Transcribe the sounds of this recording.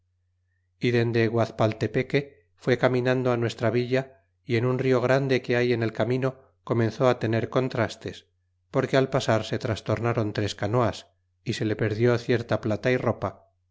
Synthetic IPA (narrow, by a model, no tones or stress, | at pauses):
iðe̞nd̪eɣwaθpalt̪e̞pe̞ke̞ | fwe̞kamĩnãnd̪oanwe̞st̪ɾaβ̞iʎa | ienunrio̞ɣ̞ɾand̪e̞ke̞aje̞ne̞lkamĩno̞ | ko̞mẽ̞nθo̞at̪e̞ne̞ɾko̞nt̪ɾast̪e̞s | po̞ɾke̞alpasaɾse̞t̪ɾast̪o̞ɾnaɾo̞nt̪ɾe̞skano̞as | ise̞le̞pe̞ɾðjo̞θje̞ɾt̪aplat̪airo̞pa